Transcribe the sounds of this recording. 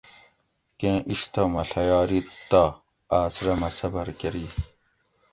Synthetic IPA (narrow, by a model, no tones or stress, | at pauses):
kẽːʔiɕt̪ɐmɐɬɐjaːɾit̪ːa | aːsɾɐmɐsɐbɐɾkɐɾiː